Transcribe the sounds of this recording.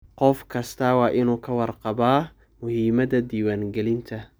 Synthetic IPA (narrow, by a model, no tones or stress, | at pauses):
qɔfkʰɐst̪ʰɐwɑːʔɪnuːkʰɐwɑrqɑbaː | mʊhiːmɐðɐd̪iːwaːŋɡɛlɪnt̪ʰɐ